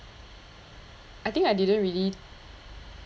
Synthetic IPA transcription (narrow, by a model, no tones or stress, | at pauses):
ʔajt̪ĩŋkajdidə̃nɹili